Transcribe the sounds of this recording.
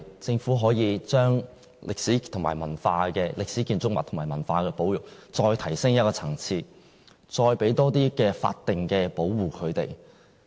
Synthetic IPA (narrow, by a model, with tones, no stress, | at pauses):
t͡sɪ˧ŋfu˨˥ɦɔː˨˥jiː˨˧t͡ʃœː˥ŋ | lʔɪ˨k̚siː˨˥t̪ʰʊ˨˩maː˨˩jmɐ˨˩nfaː˧kɛː˧lɪ˨k̚siː˨˥kiː˧nt͡sʊ˥k̚mɐ̰˨t̪ʰʊ˨˩maː˨˩mɐ˨˩nfaː˧kɛː˧po˨˥wjʊ˨k̚t͡sɔː˧jt̪ʰɐ˨˩jsɪ˥ŋjɐ˥t̚kɔː˧t͡sʰɐ˨˩ŋt͡sʰiː˧ | t͡ʃɔː˧jpe˨˥jt̪ɔː˥t̪iː˥kɛː˧fa̰ː˧t̚t̪ːɪ˨ŋkɛː˧po˨˥wwuː˨˩kʰɵ˨˧t̪ḛ˨˩j